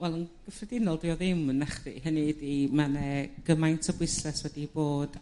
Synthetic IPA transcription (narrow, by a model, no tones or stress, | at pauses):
wɛlˠənɡ̥əfrɛdɪnɔlˠdɪjɔðɪmnaχðḭhənɨdimanɛɡ̥əmajntʰɔbwɪslɛswɛdiboːd̥